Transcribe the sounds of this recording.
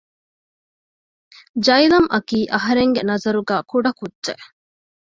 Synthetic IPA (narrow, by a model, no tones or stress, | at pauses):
d͡ʒɐjilɐmʔɐkiːʔɐɦɐɾeŋɡenɐzɐɾuɡæːkuɖɐkudːʒḛʔ